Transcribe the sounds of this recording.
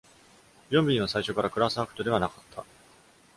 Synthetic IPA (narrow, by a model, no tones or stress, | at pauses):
jõ̞mʲbʲĩɲĩasaiɕo̞kaɾakɯ̟ɾasɨakɯ̥t̪od̪e̞β̞anakḁt̪ʰːa